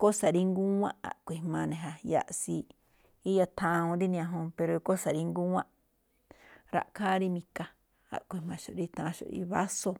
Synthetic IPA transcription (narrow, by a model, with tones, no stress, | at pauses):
ko˦sa˨ɾi˧ŋɡu˦wã̰˦ʔa̰˨ʔkʷi˨mã˧nẽ˨ɦa˨ja̰˧ʔsi˧ | i˦ja˧t̪ʰã˧õ˧nd̪i˦nĩ˧ã˧ɦõ˧pe˧ɾo˨˧ko˦sa˨ɾi˧ŋɡu˦wã˦ʔ | ɾa̰˧ʔkʰaː˦ɾi˧mĩ˧ka˧ | a̰˨ʔkʷi˧˨mã˧ʃo˨ɾi˧t̪ʰã˧ʃo̰˨ɾḭ˧˦βa˦so˧